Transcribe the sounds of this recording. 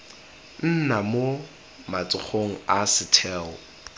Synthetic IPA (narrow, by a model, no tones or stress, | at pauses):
n̩namo | mat͡sʼɪk͡xʰoŋ̩asɪtʰɛːɔ̰